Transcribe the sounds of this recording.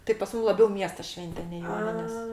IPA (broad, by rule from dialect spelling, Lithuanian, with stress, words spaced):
tɐɪ pɐs ˈmuːm lˠɐˈbʲɛʊ ˈmʲiɛstɐ ˈʃʲʋʲɛnʲtʲɛ nʲɛɪ ˈjoːnʲɪnʲeːs